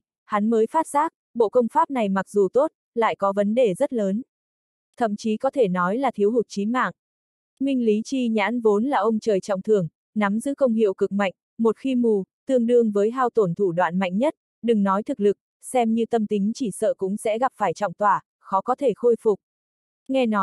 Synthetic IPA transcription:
ha˨˦nməː˨˦jfaː˦˥t̚saː˦˥k̚ | ɓo̰˧˨kə˧wŋ͡mfaː˦˥p̚na˨˩jma˨˩k̚zu˨˩t̪o˦˥t̚ | la̰ː˧˨jkɔ˨˦və˨˦nɗe˨˩zə˦˥t̚ləː˨˦n | t̪ʰə̰˧˨mt͡ɕi˨˦kɔ˨˦t̪ʰe˧˩nɔ˨˦jlaː˨˩t̪ʰi˨˦wɦʊ˨˩t̚t͡ɕi˨˦ma̰ː˧˨ŋ | mï˧ŋ̟li˨˦t͡ɕi˧ɲa̰ː˧˥nvo˨˦nlaː˨˩ʔə˧wŋ͡mt͡ɕəː˨˩jt͡ɕɔ̰˧˨wŋ͡mt̪ʰɨ˨˩əŋ | na˨˦mzɨ̰˧˥kə˧wŋ͡mɦḭ˧˨əwkɨ˨˩k̚ma̰˧˨jŋ̟ | mo˨˩t̚xi˧mu˧˩t̪ɨ˧əŋɗɨ˧əŋvəː˨˦jɦaː˧wt̪o˧˩nt̪ʰu˧˩ɗwa̰ː˧˨nma̰˧˨jŋ̟ɲə˦˥t̚ | ɗɨ˨˩ŋnɔ˨˦jt̪ʰɨ˨˩k̚lɨ˨˩k̚ | sɛ˧mɲɨ˧t̪ə˧mt̪ï˨˦ŋ̟t͡ɕi˧˩sə̰ː˧˨kʊ̰˧˥ŋ͡msɛ̰˧˥ɣa˨˩p̚faː˧˩jt͡ɕɔ̰˧˨wŋ͡mt̪waː˧˩ | xɔ˨˦kɔ˨˦t̪ʰe˧˩xo˧jfʊ˨˩k͡p̚ | ŋɛ˧nɔ˨˦j

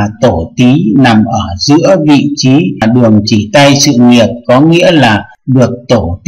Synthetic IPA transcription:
t̪o˧˩t̪i˨˦na˨˩mʔəː˧˩zɨ̰˧˥əvḭ˧˨t͡ɕi˨˦˨ɗɨ˨˩əŋt͡ɕi˧˩t̪a˧jsɨ̰˧˨ŋi˨˩ət̚kɔ˨˦ŋḭ˧˥əlaː˨˩ | ɗɨ˨˩ək̚t̪o˧˩t̪

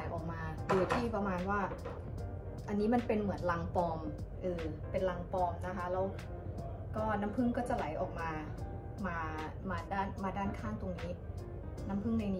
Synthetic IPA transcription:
jʔɔ̰ː˨˩k̚maː˧dɯ˧˩t̪ʰiː˥˩pa˧maː˧nwaː˥˩ | ʔa˧nːiː˦˥ma˧npe˧nmɯ˨˩˦ənla˧ŋpɔː˧mʔɯː˧ | pe˧nla˧ŋpɔː˧mna˦˥kʰa˦˥lɛ˦˥w | kɔː˥˩na˦˥mpʰɯ˥˩ŋkɔː˥˩t͡ɕa˨˩la˩˦jʔɔː˨˩k̚maː˧ | maː˧ | maː˧daː˥˩nmaː˧daː˥˩nkʰaː˥˩ŋt̪o˧ŋniː˦˥ | na˦˥mpʰɯ˥˩ŋna˧jniː˦

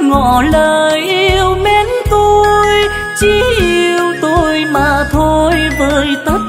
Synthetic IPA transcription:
ŋɔ̰˧˨ləː˨˩jʔi˧əwmɛ˧˦nt̪o˧jj | t͡ɕi˧˦ʔi˧əəwt̪o˧jmaː˨˩t̪ʰo˧jvəː˨˩jt̪ə˦˥t̚

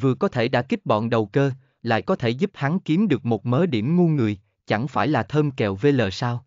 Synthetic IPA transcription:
vɨ˨˩əkɔ˨˦t̪ʰe˧˩ɗa̰ː˧˥ki˦˥k̚ɓɔ̰˧˨nɗə˨˩wkəː˧ | la̰ː˧˨jkɔ˨˦t̪ʰe˧˩zu˦˥p̚ha˨˦ŋki˨˦əmɗɨ˨˩ək̚mo˨˩t̚məː˨˦ɗi˧˩əmŋu˧nŋɨ˨˩əj | t͡ɕa˧˩ŋfaː˧˩jlaː˨˩t̪ʰəː˧mkɛ˨˩wve˧ləː˨˩saː˧w

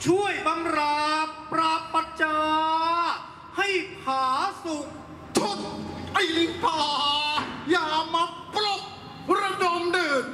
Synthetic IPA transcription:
t͡ɕʰu˥˩əjba˧ŋɾaː˧pːɾa˧pːa˧t̚t͡ɕaː˧ | ha˥˩jpʰaː˩˦su˨˩k̚ | t̪ʰo˦˧˩t̚ʔa˧˩ji˨˦pʰaː˨˩jaː˧˩ma˧ | pɾlo˧˩p̚ | ɾa˧do˧mdɯː˧˩

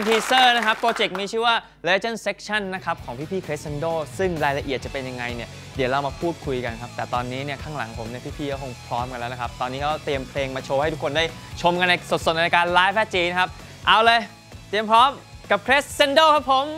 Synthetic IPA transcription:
nt̪ʰiː˧sɤː˥˩na˦˥kʰa˦˥p̚ʰːɾoː˧t͡ɕe˨˩k̚miː˧t͡ɕʰɯː˥˩waː˥˩ | le˧t͡ɕa˥˩nse˦˥k̚t͡ɕʰa˥˩nːa˦˥kʰa˦˥p̚kʰɔː˩˦ŋpʰiː˥˩pʰiː˥˩kʰɾeː˦˥sse˧ndoː˥˩sɯ˥˩ŋɾaː˧jla˧ʔi˨˩ət̪̚t͡ɕa˨˩pe˧nja˧ŋːa˧jni˥˩ɐ | di˩˦əwɾa˧wmaː˧pʰuː˥˩t̪̚kʰu˧jka˧nkʰa˦˥p̚t̪ɛː˨˩t̪ɔː˧nːiː˦˥ni˥˩ɐkʰaː˥˩ŋla̰˩˦ŋpʰo˩˦mni˥˧˩pʰiː˥˩pʰiː˥˩kʰa˥˩kʰo˧˥˩ŋpʰɾɔː˦˥mka˧lɛ˦˥na˦˥kʰa˦˥p̚t̪ɔː˧nːiː˦˥kʰa˦˥t̪i˧əmpʰleː˧ŋmaː˧t͡ɕʰoː˧ha˥˩jt̪u˦˥kʰo˧ndaː˥˩jt͡ɕʰo˧mka˧nːa˧so˨˩st̪̚na˧a˧kaː˧nlaː˦˥jpʰɛː˦˥t̪̚t͡ɕiː˧na˦˥kʰa˦˥p̚ | ʔa˧wlɤː˧j | t̪i˧əmpʰɾɔː˦˥mka˨˩p̚kʰɾe˦˥sse˧ndoː˥˩kʰa˦˥pʰːo˨˦m

